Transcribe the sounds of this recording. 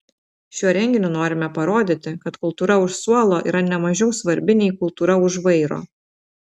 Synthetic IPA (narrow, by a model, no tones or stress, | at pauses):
ʃʲuɔɾʲɛŋʲɡʲɪnʲuːnoːɾʲɪmʲɛpɐɾoːd̪ʲɪt̪ʲɪkɐt̪kʊlˠt̪uːɾɐʊʃsuɔlˠoːʔḭːɾɐnʲɛmɐʒʲɛʊsʋɐɾʲbʲɪnʲejkʊlˠt̪uːɾɐʊʒʋɐɪɾo̰ː